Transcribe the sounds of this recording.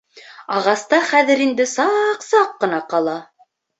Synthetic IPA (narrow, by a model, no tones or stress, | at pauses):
ɑʁɑst̪ɑχæðɘ̆ɾind̪ɘsɑqsɑqːɤ̆nɑqɑlˠɑ